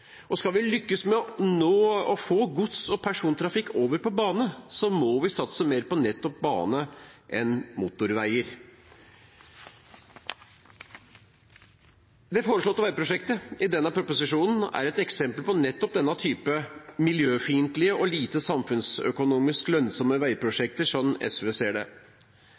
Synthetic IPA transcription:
ʔɔskɑlʋɪlʏkːəsmɛɔnoːɔfoːɡʊt̪sɔpʰæʂuːnt̪ʰɾɑfɪkːoːʋəɾpɔbɑːnəsɔmɔʋɪsɑt̪səmeːɾpɔnɛt̪ːɔp̚bɑ̰ːnəʔɛnmuːt̪ʊɾʋæɪəɾ | d̪ɛfoːɾəʂɭɔːt̪ːʋæɪpʰɾʊʂɛkt̪əɪd̪ɛnːɑpʰɾʊpʊsɪʂuːnn̩æ̰ɾɛt̪ɛksɛmpəlpɔnɛt̪ːɔp̚d̪ɛnːɑt̪ʰyːpəmɪljøːfiːnt̪lɪəʔɔliːt̪əsɑmfʉnsœ̰kʊnuːmɪsklœnsɔməʋæɪpʰɾʊʂɛk̚t̪əʂɔmɛ̰sʋeːseːɖɛ̰

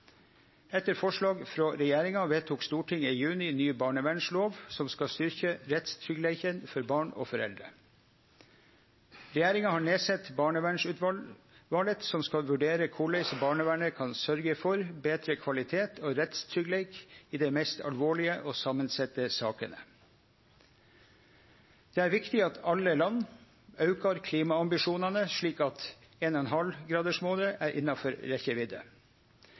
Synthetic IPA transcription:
ɛt̪ːəɾfɔʂɭɑːɡfɾoːɾɛjæːɾɪŋɑʋeːt̪ʰːuːkst̪uːʈʰɪŋijʉːnɪnyːbɑːɳəʋæɳʂloːʋsɔmskɑst̪ʏɾçəɾɛt̪st̪ʰɾʏɡlɛɪçənfɔɾbɑːɳo̰ːfɔɾɛ̰ld̪ɾə̰ | ɾɛjæːɾɪŋɑhɑːɳeːsɛt̪bɑːɳəʋæɳʂʉt̪ʋɑ | ʋɑːlət̪sɔmskɑlʋʉɖeːɾəkʰʊɭɛɪsɔbɑːɳəʋæɳəkʰɑnsœɾɡəfɔɾbeːt̪ɾəkʰʋɑlɪt̪ʰeːt̪ʰoːɾɛt̪st̪ʰʏɡleɪkiːd̪ɛmɛst̪ʰɑ̰lʋoːɭɪəʔoːsɑmənsɛt̪ːəsɑːkənə̰ | d̪̥eːæɾʋɪkt̪ɪɑt̪ʰɑlːəlɑnː | ɑʉkɑɾkʰliːmɑɑmbɪʂuːnɑnəʂɭiːkɑt̪ | eːnɔɛnɦɑlɡɾɑːd̪əʂmoːd̪əʔæːɾʔɪ̰nːɑfɔɾɾɛçəʋɪd̪ə̰

